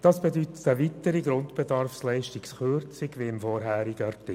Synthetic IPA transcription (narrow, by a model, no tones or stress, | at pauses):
d̥ɑːsb̥edyt̪ə̥təʋit̪əɾiɡɾʊndb̥ɛdɑɾfslɛɪʃtiksχørt͡sɪɡʋeɪmfɔɾɦæːɾiɡəɑrtɪ